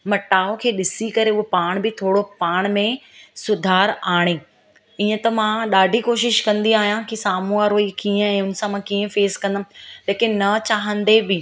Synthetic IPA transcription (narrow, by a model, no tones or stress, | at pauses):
mɐʈaːokʰeːɗɪsikɐɾeʊɦepaːɽ̃bɪt̪ʰoːɽopaːɽ̃mẽsʊd̪ʱaːɾaːɽ̃eː | iːə̃t̪ɐmãɗaːɖʱikoːʃɪʃkɐ̃nd̪iaːɦijãkisaːmuaɾoːikiːə̃ɛ̃ːʊn̆sãmãkiːə̃feːzkɐ̃nd̪aleːkɪnːɐt͡ɕaːɦə̃nd̪ebɪ